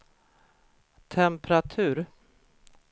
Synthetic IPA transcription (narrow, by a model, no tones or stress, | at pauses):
t̪ʰɛmpɾat̪ʰʉ̟ːɾ